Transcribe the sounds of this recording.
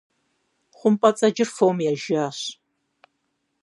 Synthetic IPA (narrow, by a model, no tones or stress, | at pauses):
χʷʊmpʼɐt͡sʼɐd͡ʒɪrfowmjaːʒaːɕ